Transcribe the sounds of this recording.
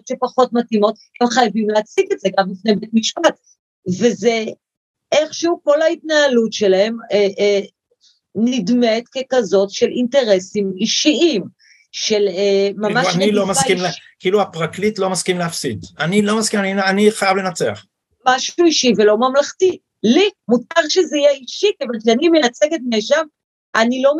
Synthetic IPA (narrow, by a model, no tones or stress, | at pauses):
tʃe̞paχo̞tmatimo̞t | hemχajavimleat͡siɡetzeɡambifne̞jbetmiʃpat | veze | ʔeχʃuko̞laitnaːlutʃe̞lahe̞meʔ | nidmetke̞kazo̞tʃelinte̞ʁe̞simiʃiim | ʃe̞lemamanilomasaimkiiːluapʁaklitlo̞maskimleafsid̪anilo̞maskimanianiχajavlenat͡sea̰χ | maʃuiʃivelo̞mamlaχti | limut̚kaʁʃezeijeiʃikavalkʃeanimenat͡seket̚meʃam | ʔanilo̞m